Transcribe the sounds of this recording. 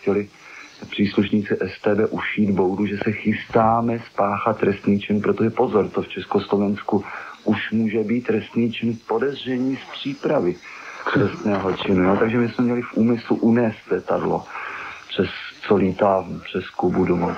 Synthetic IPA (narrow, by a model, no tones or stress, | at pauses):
cɛlɪ | pr̥iːsluʃɲiːt͡sɪʔɛst̪ɛːbɛːʔuʃiːd̪bowduʒɛsɛxɪst̪aːmɛspaːxat̪ːɾɛst̪niːt͡ʃɪnpɾot̪oʒɛpo̞zoɾt̪oft͡ʃɛskoslo̞vɛnskuʔuʃmuːʒɛbiːt̪ːɾɛst̪niːt͡ʃɪnpo̞dɛzr̝ɛɲiːspr̝̥iːpɾavɪt̪rɛst̪nɛːɦot͡ʃɪnujot̪aɡʒɛmɪsmɛmɲɛlɪfʔuːmɪsluʔunɛːst̪lɛt̪adlo̰pr̝̥ɛst͡soliːt̪aːpr̝̥ɛskubudomow